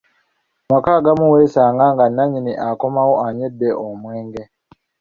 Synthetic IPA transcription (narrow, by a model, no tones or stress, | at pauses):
makaɡamuweːsaːŋɡaŋɡanːaɲiniʔako̞mawoʔaɲedːeʔomweːŋɡe